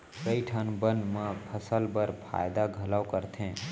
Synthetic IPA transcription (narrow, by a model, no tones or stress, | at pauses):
ɾəiʈʰənbənmə̃pʰəsəlbəɾpʰa̰ːjd̪aɡʱɐlawkəɾt̪ʰẽː